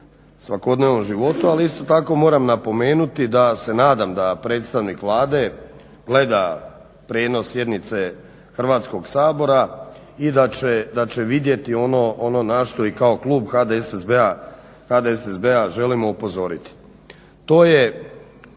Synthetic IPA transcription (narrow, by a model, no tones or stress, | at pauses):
sʋako̞d̪ne̞ʋno̞mʒiʋo̞t̪ualiist̪o̞t̪ako̞mo̞ːɾamnapo̞me̞ːnut̪id̪ase̞naːd̪amd̪apɾe̞ːt̪st̪aʋnikʋlˠaːd̪e̞ | ɡle̞d̪a | pɾeːno̞sːje̞d̪nit̪se̞ | xr̩ʋaːt̪sko̞ɡsaːbo̞ɾa | id̪at͡ʃed̪at͡ʃe̞ʋid̪je̞t̪io̞no̞ʔono̞naʃt̪o̞ikaoklˠuːbxad̪esezbea | xad̪eesezbeaʒe̞limo̞upo̞zo̞ɾit̪i̥ | t̪o̞ːje̞